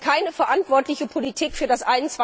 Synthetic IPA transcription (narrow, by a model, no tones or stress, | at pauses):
kʰaɪnəfɛɐʔantv̥ɔɐtlɪçəpʰolitʰiːkfyːɐdasʔaɪnnt͡sa